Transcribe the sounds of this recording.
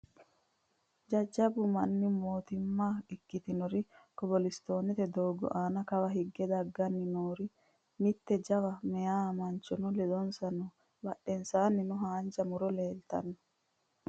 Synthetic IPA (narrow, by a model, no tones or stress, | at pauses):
d͡ʒɐd͡ʒːɐbʊmɐnːɪmoːt̪ɪmːaːɪkːɪt̪ɪnɔɾɪkɔbɔlɪst̪o̞ːnɛt̪ɛd̪oːɡɔ̰ʔaːnɐkɐwɐɦɪɡːɛd̪ɐɡːɐnːɪnoːɾɪ | mɪt̪ːɛd͡ʒɐwɐmɛjaːmɐnt͡ʃːɔnʊlɛd̪ɔnsɐnɔ | bɐɗɛnsaːnːɪnʊɦaːnd͡ʒɐmʊɾɔleːlt̪ɐ̰nːɔ